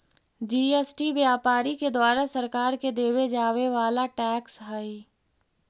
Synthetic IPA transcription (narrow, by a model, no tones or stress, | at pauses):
d͡ʒiːesʈiʋjaːpaːɾiked̪waːɾasɐɾkaːɾked̪eːwed͡ʒaːweʋaːlaʈɛːksɦəi